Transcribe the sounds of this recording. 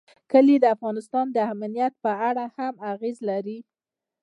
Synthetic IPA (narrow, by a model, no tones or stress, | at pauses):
kəlid̪əafɣɑnɪst̪ɑnd̪əamnijat̪̚pəaɽahamaɣezlaɾi